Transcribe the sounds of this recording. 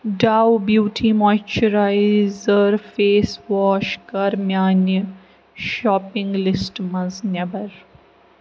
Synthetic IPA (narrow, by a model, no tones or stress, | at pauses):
ɖawbjuːʈʰimojt͡ʃəɾajzəɾfeːsʋɔːʃkɐɾmjaːnə | ʃɔːpɪ̃ŋɡlɪsʈmɐznɛbɐɾ